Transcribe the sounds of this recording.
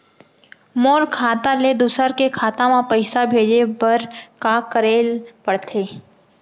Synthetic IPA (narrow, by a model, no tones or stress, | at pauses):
moːɾkʰaːt̪aled̪ʊsəɾkekʰaːt̪ãmãpəɪsabʱeːd͡ʒebəɾkakəɾeːlpəɽt̪ʰeː